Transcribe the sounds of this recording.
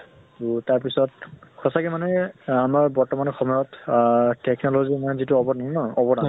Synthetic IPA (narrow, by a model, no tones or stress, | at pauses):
tutaɹpisɔtkʰɔsakɛmanɛamaɹbɔɹtɔmanɔxɔmɔjɔttɛknɔlozimanɛzituɔbɔtnamnɔɔbɔda